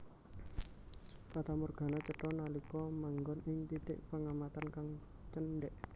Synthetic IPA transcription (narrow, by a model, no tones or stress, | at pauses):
pat̪amurɡ̥a̤nat͡ʃəʈɔnalikɔmaŋɡɔnɪŋt̪it̪ɪʔpəŋamat̪ankaŋ | t͡ʃənɖɛʔ